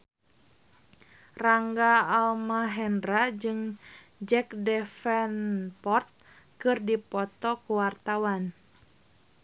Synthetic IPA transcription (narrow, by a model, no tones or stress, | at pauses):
raŋɡaːlmaɦɛndrad͡ʒɨŋ | d͡ʒɛk̚dɛfɛnpɔrt̪̚ | kɨrdipɔt̪ɔkuwart̪awan